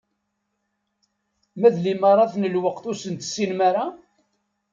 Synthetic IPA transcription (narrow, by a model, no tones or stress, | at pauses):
mæðliməɾˤːɑθnəlwəqθusənt̪sːinmaɾa